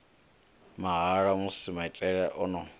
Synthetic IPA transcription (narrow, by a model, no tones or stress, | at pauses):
maɦaɺamusimait͡ɬʼɛɺɛʔɔnɔ